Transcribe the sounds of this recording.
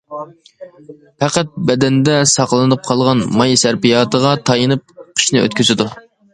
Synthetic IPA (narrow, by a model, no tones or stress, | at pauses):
pæqæt̪̚bɛd̪ɛnd̪ɛsɑqlˠɨnɨp̚qʰɑlˠʁɑnmɑjsæɾpijɑːt̪əʁɑt̪ʰɑjɨnɨp̚qʰi̥ʃnɨø̰t̪kʲʰyzɪd̪u